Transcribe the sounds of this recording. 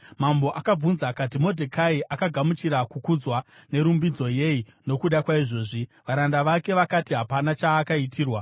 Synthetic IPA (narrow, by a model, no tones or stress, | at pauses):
mambo̞ʔakab͡vunzakatimo̞dʱekaiʔakaɡʱamut͡ʃiɾakukud͡zwane̞ɾumbid͡zo̞je̞i | no̞kuɗakwaiʐo̞ːʐiʋaɾandaʋake̞ʋakatiɦapanat͡ʃaːkaitʰiːrwa